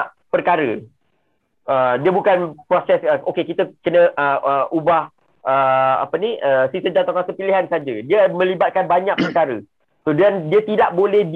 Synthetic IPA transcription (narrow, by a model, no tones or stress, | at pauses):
ʔ | pərkaɾə | ədiəbukanpɾosɛsəʔokekit̪əkənə̃ʔəəʔubah | əa̰pəniəsisəd͡ʒat̪akasəpiliɦansad͡ʒadiəmə̃libat̪̚kanbaɲaʔpərkaɾə | sodandiət̪idaʔ̚bolɛhd